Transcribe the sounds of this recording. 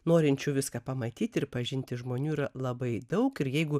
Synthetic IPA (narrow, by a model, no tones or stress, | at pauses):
noːɾʲɪnʲt͡ʃʲuːʋʲɪskɐːpɐmɐt̪ʲiːt̪ʲɪrpɐʒʲɪnʲt̪ʲɪʒmoːnʲuːiɾɐlˠɐbɐɪd̪ɐʊkɪɾjɛɪɡʊ